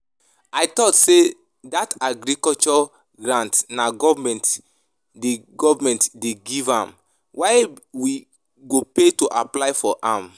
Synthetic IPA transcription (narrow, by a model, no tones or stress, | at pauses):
ajtɔtse | dataɡɾikɔlt͡ʃɔ | ɡɹãntnaɡɔvmɛ̃nt | deɡɔvamɛ̃ntdeɡivã̰m | waɪwi | ɡopetoʔaplaɪfɔʔãm